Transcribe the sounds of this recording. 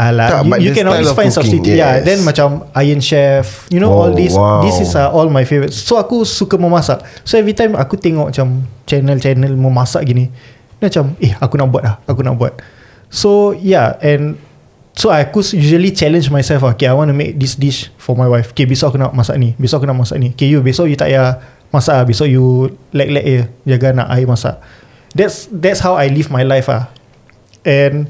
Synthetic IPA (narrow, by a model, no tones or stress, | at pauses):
alaujukɛ̃nɔlwisfãj̃nsɔbsit̪ijadɛ̃nmat͡ʃamajə̃nʃɛf | junoɔldisdisisaʔɔlmajfevɾətsːoakusukamə̃masaʔsoɛvɹit̪ãjma̰kut̪eŋɔʔmat͡ʃamt͡ʃɛnəlt͡ʃɛnəlmə̃masaʔɡinĩ | mat͡ʃamehakunaʔbuat̚lahakunaʔbuat̪̚ | sojaɛ̃n | soajkusjuʒəlit͡ʃɛlə̃nd͡ʒmajsɛlfaokeajwãnumḛk̚disdiʃfɔmajwajfo̥kebesoakunaʔmasa̰ʔnĩbesoakunaʔmasaʔnĩokejubesajut̪a̰ʔja | masaʔbesɔjulak̚lɛ̰kəd͡ʒaɡana̰ʔajmasa̰ʔ | dɛtsdɛtshawajlivmajlajfa̰ | ɛ̃n